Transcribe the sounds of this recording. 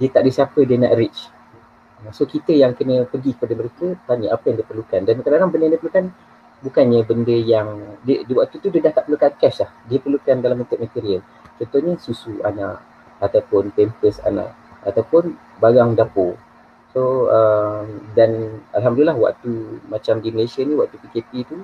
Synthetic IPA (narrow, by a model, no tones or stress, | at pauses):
diət̪aʔdisapədiəna̰ʔɾɪt͡ʃ | əsokit̪əjaŋkənəpəɡikə̥padəməɾekət̪aɲəʔapəjaŋdiəpərlukandankədanaŋbəndəjãdiəpəɾlukan | bukanɲəbəndəjaŋdədwaʔt̪ut̪udiədaht̪aʔ̚məlukankɛslahdiəpərlukandalamːənt̪ʊʔ̪̚mat̪iɾiəl | t͡ʃɔnt̪ohɲəsusua̰naʔ | at̪awpʊnpempəsa̰nã̰ʔ | at̪awpʊn | baɾaŋdapo | soəmdanalɦamdulilahwa̰ʔt̪umat͡ʃamdiməlesanĩwaʔt̪upikepit̪u